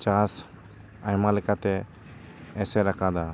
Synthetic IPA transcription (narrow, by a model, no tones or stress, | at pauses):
t͡ʃas | ajmaləkat̪ɛ | ɛsɛɾakʰad̪a